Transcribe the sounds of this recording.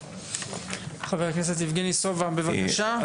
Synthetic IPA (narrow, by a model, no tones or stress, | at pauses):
χaveʁknes̬et̪̬nifɡenisovabevakaʃa